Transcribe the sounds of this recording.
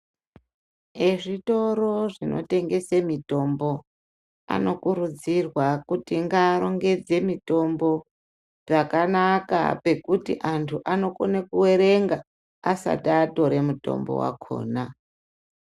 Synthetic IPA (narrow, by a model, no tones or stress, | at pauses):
eʐito̞ɾo̞ʐino̞̰te̞ŋɡe̞semito̞mbo̞ | a̰no̞kuɾud͡zirwakutiŋɡaːɾo̞ŋɡe̞d͡ze̞mito̞mbo̞ | ʐakanaka̰pe̞kutiʔantʰuʔano̞konekuwe̞ɾe̞ŋɡa | asa̰taːto̞ɾe̞muto̞̰mbo̰wa̰kʰo̞̰ːna